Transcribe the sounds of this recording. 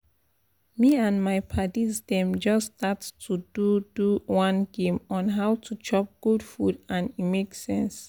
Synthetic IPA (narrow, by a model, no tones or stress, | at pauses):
miãnmajpʰatizdɛ̃md͡ʒʌstʰatstʰududuwãnɡẽmɔ̃nɦawtʰut͡ʃʰɔp̚ɡ̥udfudãnimeksɛ̃ns